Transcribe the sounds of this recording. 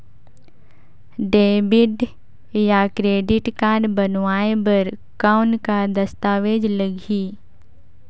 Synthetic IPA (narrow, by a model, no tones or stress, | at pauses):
ɖeːbɪɖ | jakɾeːɖɪʈkaːɖbɐnʋaːebəɾ | kaːʊnkad̪ɐst̪aːʋeːd͡ʒləɡʱiː